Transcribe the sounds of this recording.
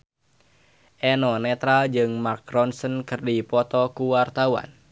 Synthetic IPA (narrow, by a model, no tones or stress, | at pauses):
ʔɛnɔnɛt̪ɾald͡ʒɨŋmarkrɔnsənkɨrdipɔt̪ɔkuwart̪awa̰n